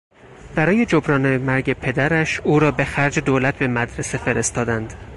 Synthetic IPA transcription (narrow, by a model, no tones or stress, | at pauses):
b̥æɾɒːje̞d͡ʒobɾɒːnemæɾɟe̞pʰe̞d̪æɾæʃuːɾɒːbe̞xæɾd͡ʒed̪oːlæt̪̚ʰbe̞mæd̪ɾe̞se̞fe̞ɾe̞st̪ɒːd̪ænd̪̥